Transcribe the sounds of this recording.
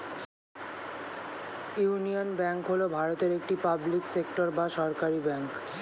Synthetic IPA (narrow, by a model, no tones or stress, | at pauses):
junionbɛŋkɦolobʱaɾot̪eɾek̚ʈipabliksek̚ʈoɾbaʃɔɾkaɾibɛŋk